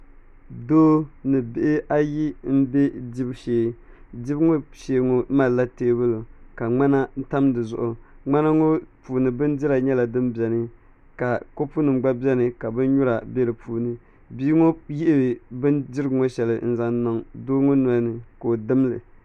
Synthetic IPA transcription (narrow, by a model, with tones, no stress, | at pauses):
doː˦nɨ˨be˨ʔɪ˦ʔa˦ji˦m̩˦be˦dɪ˦bʃeː˨dɪ˦bŋo˦ʃe˨ŋo˨˦ma˨la˦teː˦bɨ˦lo˨ka˨ŋ͡ma˦na˦n̩˦ta˦mdɨ˨zʊ̰˨ʔʊ˨ŋ͡ma˦na˦ŋo˦puː˨nɨ˨bɨ˦ndɪ˦ɾa˨ɲɛ˦la˨dɨ˦mbi˨ɛ˨nɨ˦ | ka˨ko˦pu˦nɨ˨mɡ͡ba˦bɛ˦nɨ˨ka˨bɨ˦nɲʊ˦ɾa˨be˦ɾɨ˨pʰuː˨nɨ˨ | biː˦ŋo˦ji˦ʔɪ˦bɨ˨bɨ˦ndɪ˦ɾɨ˦ɡŋo˦ʃɛ˨lɨ˨n̩˦za˦nnɔ˨ŋdoː˦ŋo˦na˦nɨ˨ko˨dɨ˦m˦lɨ̰˨